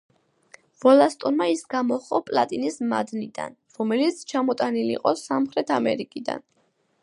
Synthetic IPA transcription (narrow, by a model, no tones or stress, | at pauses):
vɔlast̪ʼɔnmaisɡamɔχɔpʼlˠat̪ʼinismad̪nid̪a̰n | ɾɔmɛlit̪sʰt͡ʃʰamɔt̪ʼaniliqʼɔsamχɾɛt̪ʰamɛɾikʼid̪a̰n